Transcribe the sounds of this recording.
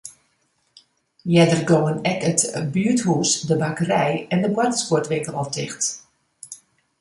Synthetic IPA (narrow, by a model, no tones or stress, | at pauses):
jɛdərɡowənɛkətbyəthusdəbakərɛjɛndəbwatəskʊtʋɪŋkəlɔp̚dɪxt